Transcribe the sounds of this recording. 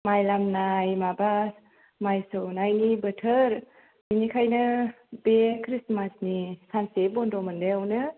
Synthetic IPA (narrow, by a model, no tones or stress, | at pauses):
majlamnajmabas | majsɯwnajnibətʰəɾ | inikʰajnɯ | bekʰɾismasnisansebɔndɔmɯndɯawnɯ